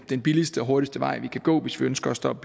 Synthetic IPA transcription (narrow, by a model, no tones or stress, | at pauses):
d̥enb̥ilisd̥əɒ̽ɦo̝ɐɾisd̥əʋɑ̈ɪ̰ʋikʰæɡ̥ɔ̰ːʋe̝sʋiønsɡ̥ɐːsd̥ɒ̽b̥ə̥